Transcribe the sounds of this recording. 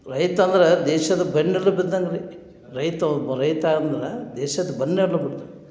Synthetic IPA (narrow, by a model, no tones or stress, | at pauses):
ɾɐjt̪ɐnd̪ɐɾed̪ɛːʃɐd̪ɐbɐnːɐlːɐbid̪ːɐŋɡɐɾi | ɾɐjt̪ɐɾɐjt̪aːɡɐnd̪ɐɾed̪ɛːʃɐd̪ɐbɐnːeɽlɐbɐɽd̪ɐ